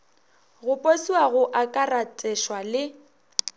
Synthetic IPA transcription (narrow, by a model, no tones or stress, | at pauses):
ɣʊpʼosiwaɣʊʔakʼaratʼɛʃwalɪ